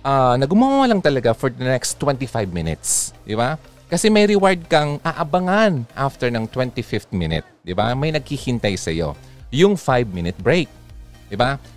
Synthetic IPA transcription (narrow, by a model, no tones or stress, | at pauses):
ʔaːnɐɡʊmawalɐŋt̪ɐlɐɡafɔɹd̪ɐnɛkst̪ːwɛnt̪ɪfajbmɪnɪ̰t̪sd̪ɪba | kɐsɛmɐjɾɪwaɹd̪̚kɐŋʔaʔɐbɐŋanʔaft̪ɛɹnɐŋt̪wɛnt̪ɪfɪft̪mɪnɪ̰t̪̚d̪ɪba̰mɐjnɐɡ̚hihɪnt̪ajsɐjo̞̰ | jʊŋfajbmɪnɪt̪̚bɹejk̚d̪ɪba